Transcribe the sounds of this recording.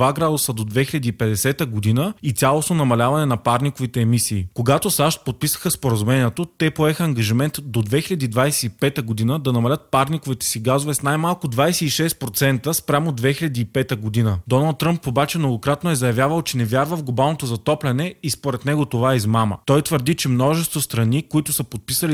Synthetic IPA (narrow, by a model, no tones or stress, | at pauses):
vaɡɾad̪usəd̪od̪vɛxilʲɐd̪iːpɛd̪ɛsɛt̪əɡod̪inəit̪sʲalˠosnonɐmɐlʲavɐnɛnɐpaɾnikovit̪ɛːmisiːkoɡat̪osaʃt̪̚pot̪̚pisə̥xəspoɾɐzumɛnʲiɛt̪ot̪ɛpoɛxəːŋɡɐʒimɛnt̪d̪od̪vɛxilʲɐd̪iːd̪vajsɛ̥ipɛt̪əɡod̪inəd̪ɐnɐmɐlʲət̪̚paɾnikovit̪ɛ̥siɡazovɛsnajmalˠkʊd̪vajsɛiʃɛst̪̚pɾot̪sɛnt̪əspɾʲamod̪vɛxilʲɐd̪iːpɛt̪əɡod̪inəd̪ɔnɐlˠt̪ːɾəmpobat͡ʃɛmnoɡokɾat̪noɛzɐjɐvʲjavəlˠt͡ʃɛnɛvʲjaɾvəfɡlˠobalˠnot̪ozɐt̪ɔplʲɛnɛispoɾɛt̪nɛɡot̪ovaɛizmamə̰t̪ɔjt̪vəɾd̪it͡ʃɛmnɔʒɛst̪vost̪ɾɐnikoit̪ʊsəpot̪̚pisəli